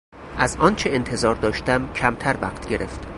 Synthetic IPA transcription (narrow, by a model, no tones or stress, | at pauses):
ʔæzɒːnt͡ʃʰeent̪ʰe̞zɒːɾd̪ɒːʃt̪æmcʰæmt̪ʰæɾvæ̰χt̪ʰɟe̞ɾeft̪